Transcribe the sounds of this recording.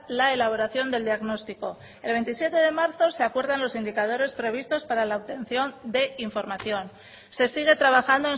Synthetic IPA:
laelaβ̞o̞ɾaθjo̞nd̪e̞ld̪iaɣno̞st̪iko̞ | e̞lβe̞nt̪isje̞t̪e̞ðe̞maɾθo̞se̞akwe̞ɾðanlo̞sind̪ikað̞o̞ɾe̞spɾe̞β̞ist̪o̞spaɾalauβt̪e̞n̟θjo̞nd̪e̞iɱfo̞ɾmaθjo̞n | se̞siɣ̞e̞t̪ɾaβ̞axand̪oen

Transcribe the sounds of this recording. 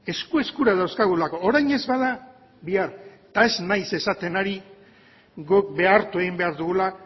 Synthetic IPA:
e̞skue̞skuɾað̞awskaɣulako̞ːɾajɲe̞zβað̞a | βiaɾ | t̪ae̞znajse̞sat̪e̞naɾi | ɣok̚be̞aɾt̪ue̞ɣimbe̞aɾðuɣula

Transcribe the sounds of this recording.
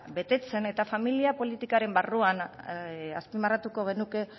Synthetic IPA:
be̞t̪e̞t͡se̞ne̞t̪afamiliapo̞lit̪ikaɾe̞mbaruan | aspimarat̪uko̞ɣ̞e̞nuke̞

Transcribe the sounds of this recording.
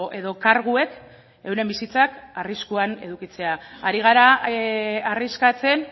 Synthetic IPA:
eðo̞kaɾɣue̞k | e̞wɾe̞mbisit͡sakariskuane̞̰ðukit͡se̞aaɾiɣ̞aɾa | ariskat͡se̞n

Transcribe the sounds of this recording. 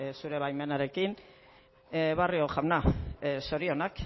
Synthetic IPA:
suɾe̞βajme̞naɾe̞kin | βario̞ʝawnaso̞ɾio̞nak

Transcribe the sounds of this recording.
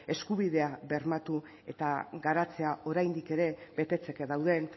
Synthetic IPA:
e̞skuβiðe̞aβe̞ɾmat̪u | e̞̰t̪aɡaɾat͡se̞ao̞ɾajnd̪ike̞ɾe̞βe̞t̪e̞t͡se̞keðawðe̞n

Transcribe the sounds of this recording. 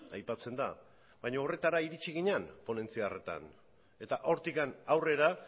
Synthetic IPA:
ajpat͡se̞nd̪a | bajɲoːre̞t̪aɾaiɾit͡ʃiɣ̞iɲanpo̞ne̞nt͡siare̞t̪a̰n | e̞t̪aʔo̞ɾt̪ikanawre̞ɾa

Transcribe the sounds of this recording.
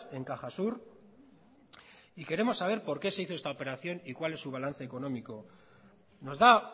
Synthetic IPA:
e̞ŋkaxasuɾ | ike̞ɾe̞mo̞sːaβ̞e̞ɾpo̞ɾke̞se̞iθoest̪aope̞ɾaθjo̞nikwale̞sːuβ̞alan̟θe̞ːko̞no̞miko̞ | no̞zða

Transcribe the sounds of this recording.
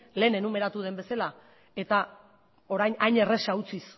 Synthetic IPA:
le̞ːne̞nume̞ɾat̪uð̞e̞mbe̞sala | e̞t̪a | o̞ɾajɲajɲe̞re̞saut͡sis

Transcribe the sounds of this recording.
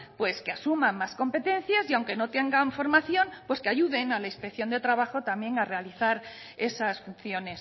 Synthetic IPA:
pwe̞skeasumãmːasko̞mpe̞t̪e̞n̟θjasiawŋke̞no̞t̪e̞ŋɡaɱfo̞ɾmaθjo̞npwe̞skeaʝuðe̞nalaispekθjo̞nd̪et̪ɾaβaxo̞t̪amje̞ŋare̞aliθaɾ | e̞sasfunθjo̞ne̞s

